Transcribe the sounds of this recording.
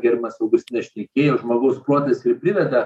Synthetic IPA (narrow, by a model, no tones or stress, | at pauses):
ɡʲɛɾʲmɐsɐʊɡʲst̪ʲɪnʲɛsʃʲt̪ʲɛkʲeːjoːʒmoːɡɐʊspuɔt̪ɐsɪɾpʲɾʲɪʋʲɛd̪ɐ